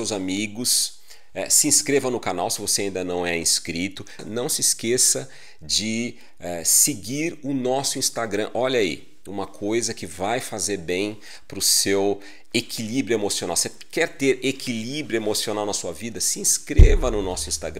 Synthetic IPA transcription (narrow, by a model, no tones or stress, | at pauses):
ewzamiɡʊs | ɛ̰sɪĩskɾevɐ̃nʊkana̰wsɪvoseaĩd̪ɐnɐ̃w̃ɛĩskɾit̪ʊnɐ̃w̃sɪskesɐ | d͡ʒɪ | ɛsɪɡiɾʊnɔsʊĩst̪aɡɾɐ̃ʔɔʎɐḭ | ũmɐkʰojzɐkɪvajfazeɾbẽj̃ | pɾʊsew | ekʰilibɾjʊemosiona̰wse | kɛɾt̪eɾekilibɾjuemosionawnɐsuɐvid̪ɐsɪĩskɾevɐnʊnɔsʊĩst̪aɡɾ̃